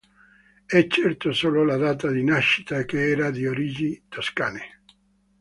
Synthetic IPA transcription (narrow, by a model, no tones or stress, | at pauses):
ɛt͡ʃːɛrt̪osoːlolad̪aːt̪ad̪inaʃːi̥t̪akeɛːɾad̪ioɾid͡ʒit̪oskaːne